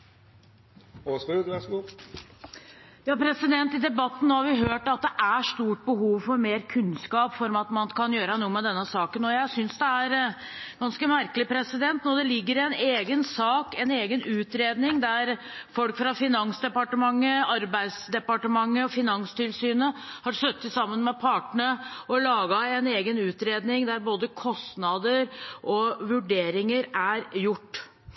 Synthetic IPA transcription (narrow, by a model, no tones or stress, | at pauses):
osʉːʋæsɡuː | jɑːpʰɾɛsɪd̪ɛnt̪ɪd̪ɛbɑt̪ːn̩noːhɑɾʋɪɦøːʈɑt̪̚d̪ɛʔæʂt̪uːʈ̚bəɦuːʋfɔɾmeːɾkʰʉnskɑːpfɔɾmɑt̪mɑnkʰɑnjøːɾəənuːəmɛd̪ɛnːəsɑːkənɔjæɪsʏnsd̪ɛæɾ | ɡ̥ɑnskəmæɾkəlɪpʰɾɛsɪd̪ɛnt̪nɔd̪ɛlɪɡːəɾɪɛneːɡənsɑːkɛneːɡənʉːt̪ɾeːd̪nɪŋd̪æɾ | fɔlkfɾɑfɪnɑŋsd̪ɛpɑʈəmɑŋːəɑɾbæɪd̪sd̪ɛpɑʈəmɑŋːəɔfɪnɑŋst̪ʰɪlsyːnəhɑɾsœt̪ːəsɑmːənmɛpʰɑːʈɳəɔlɑːɡɑɛneːɡənʉːt̪ɾeːd̪nɪŋd̪æɾboːd̪əkʰɔst̪nɑd̪əɾʔɔʋʉɖeːɾɪŋəɾæɾjʊʈː